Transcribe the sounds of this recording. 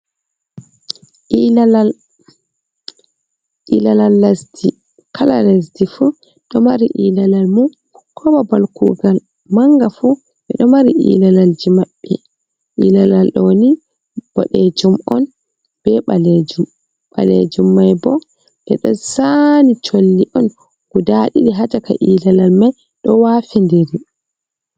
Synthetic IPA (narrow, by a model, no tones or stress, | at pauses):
ʔiaal | ʔilalalːasdi | kʰalalas̬difu | ɗɔmaɾiʔilalalmu | kʰɔbabalkṵɡal | maŋɡafu | ɓɛɗɔmaɾiʔḭlalald͡ʒimaɓːɛ̰ | ʔilalalɗɔni | b̥ɔ̰ɗed͡ʒumɔn | b̥ɛɓaled͡ʒum | ɓa̰lḛd͡ʒumːajbɔ | ʔɛɗɔsanit͡ʃolːiʔɔn | ɡ̥udaɗiɗiɦad͡ʒaka̰ʔilalalmaj | ɗɔwafindiɾi